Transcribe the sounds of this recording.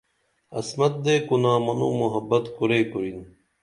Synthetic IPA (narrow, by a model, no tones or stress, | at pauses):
ɐ̰smɐt̪̚d̪eːkunaːmɐnṵːmuɦɐbːɐt̪kuɾeːkuɾin